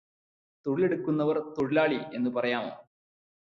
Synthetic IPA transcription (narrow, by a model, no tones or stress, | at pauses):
t̪o̞ɻile̞ɽukːunːɐʋɐrt̪oɻilaːɭie̞nːupɐrɐjaːmo̰ː